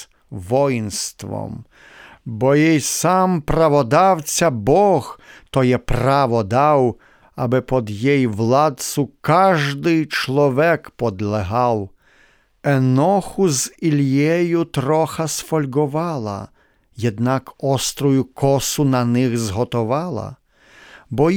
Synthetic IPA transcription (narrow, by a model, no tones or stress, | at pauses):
ʋɔjnst̪ʋɔ̰m | bɔjɛjsɑmpɾɐʋɔd̪ɑwt͡sʲɐbɔɣt̪ɔjɛprɑʋɔd̪ɑw | ɐbɪpɔd̪jɛjʋlˠɑd̪sʊkɑʒd̪ɪjt͡ʃlˠɔʋɛkpɔd̪lˠeɦɑw | ɛnɔxʊzilʲjɛjʊt̪ɾɔxɐsfɔlʲɡʊʋɑlˠɐ̰ | jɛd̪nɑkɔst̪ɾɔjʊkɔsʊnɐnɪɣzɦɔt̪ɔʋɑlˠɐ̰ | bɔ